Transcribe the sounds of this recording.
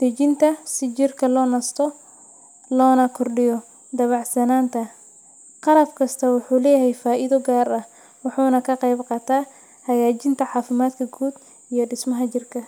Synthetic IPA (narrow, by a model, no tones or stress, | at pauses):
d̪̥ɐt͡ʃɪnt̪ʰɐsɪt͡ʃɪrkʰɐlɔːnɐst̪ʰɔ | lɔːnɐkʰʊrɖɪjɔ | d̪ɐβɑʕsɐnaːnt̪ʰɐ | qɑlɐfkʰɐst̪ʰɐwʊħuːlɛːjɐɦɛjfaːʔɪðɔɡaːrɐh | wɑħuːnɐkʰɐqɛjbqɑt̪ʰaː | hɐjaːt͡ʃɪnt̪ʰɐʕɑːfɪmaːd̪kʰɐɡuːd̪ | ijɔɖɪsmɐɦɐt͡ʃɪrkʰɐ